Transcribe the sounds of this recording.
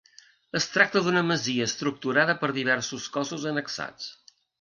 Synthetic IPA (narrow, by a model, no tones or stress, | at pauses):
əst̪ɾak̚t̪əðunəməziəːst̪ɾuk̚t̪uɾaðəpəɾðiβ̞ɛɾsuskɔzuzənəksa̰t͡s